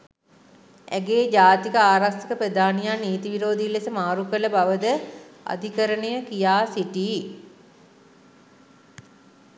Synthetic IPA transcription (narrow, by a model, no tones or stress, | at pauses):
æ̰ɡeːd͡ʒaːt̪ikəaːɾast̪əkəped̪aːnijaniːt̪iʋiɾoːd̪ilːesəmaːɾukələbaʋəd̪əa̰d̪ʱikəɾənejəkijaːsiʈiː